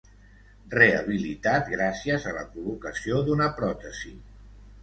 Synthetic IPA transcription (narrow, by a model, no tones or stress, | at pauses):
reəβ̞ilit̪at̪ɡɾasiəzələ̰kulukəsiod̪unəpɾɔt̪əzi